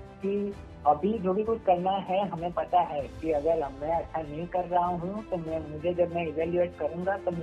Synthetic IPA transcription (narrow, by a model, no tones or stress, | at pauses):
ki | ɐbʱid͡ʒoːbʱikʊt͡ʃʰkɐɾnaɦɛɦɐmẽpɐt̪aɦɛːkiɐɡəɾmɛ̃ɐtːʃʰanɐɦĩkɐɾːaɦaɦũɦʊjũt̪omɛ̃mʊd͡ʒʱed͡ʒɐbmɛ̃ɪʋɛːljueːʈ̚kɐɾũːɡat̪om